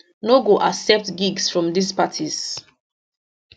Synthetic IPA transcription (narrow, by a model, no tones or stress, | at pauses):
noɡoʔasɛp̚tɡiɡsfɹɔ̃mdispatʰiz